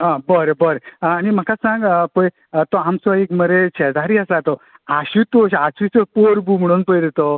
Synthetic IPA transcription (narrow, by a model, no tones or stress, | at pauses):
ãbəɾebəɾeanim̤əkasãŋɡpəj | t̪ɔamsɔikməɾet͡ɕʰɛd̪aɾiasat̪ɔ | aɕit̪oɕasʋit͡sopoɾbum̤əɽ̃uːnpəjd̪et̪o